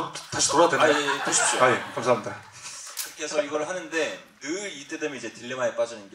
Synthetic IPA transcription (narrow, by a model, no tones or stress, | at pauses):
taɕʰi̥toɾadweaet͈oɕʰi̥t͡ɕ͈ʰoajekamsʰamida | ɯk͈e̞sʰʌiɡʌɾɯɭɦanɯnde̞ | nɯit͈e̞dɯmenid͡ʑe̞tɯɭːimaɦep͈ad͡ʑʌnɯnɡ